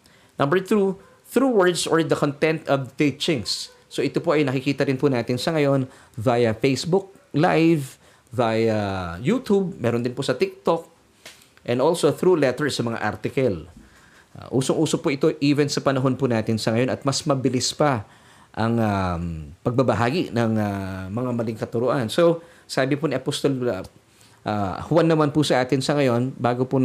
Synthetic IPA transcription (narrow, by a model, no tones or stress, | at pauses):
nɐmbɛɹθɾu | θɾuwɛɹd̪soɹd̪ɐkont̪ɛ̃nt̪ʔɐbt̪it͡ʃɪŋsː | o̞ʔɪt̪opoʔɐjnɐkɪkiːt̪ɐɾɪnpʊnaːt̪ɪnsɐŋɐjo̞n | vaːjɐfejsbʊk̚ | lajv | vajajut̪ub̚mɛːɾond̪ɪnposɐt̪ɪk̚t̪ok̚ | ʔɛ̃nd̪olsoθɾulɛt̪ɛɹsɐmɐŋa̰ʔa̰ɾt̪ɪkɐl̰ | ʔuːsoŋʔuːsopʊʔɪt̪oʔiːvɛnsɐpɐnɐɦo̞npʊnaːt̪ɪnsɐŋɐjo̞nɐt̪̚mɐsmɐbɪlispɐ | ʔɐŋapɐɡ̚bɐbɐɦaːɡinɐŋamɐŋamɐliŋkɐt̪ʊɾʊʔanso | saːbɪpʊniʔɐpost̪ol | ʔahʊwanːɐmanpʊsɐʔaːt̪ɪnsɐŋɐjo̞nbaːɡopʊn